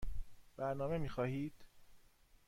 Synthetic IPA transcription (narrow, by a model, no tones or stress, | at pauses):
b̥æɾnɒːme̞miːxɒːhiːd̪̥